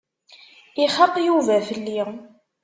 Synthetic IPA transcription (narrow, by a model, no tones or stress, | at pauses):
iχɑt̪ˤːjuvæθəlːi